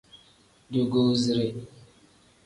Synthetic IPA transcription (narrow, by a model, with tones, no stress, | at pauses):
ɟo˨ɡo˦zi˨ɾe˨